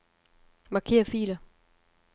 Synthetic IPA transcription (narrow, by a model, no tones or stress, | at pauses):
mɑ̈kʰe̝̰ːɐfḭːlɐ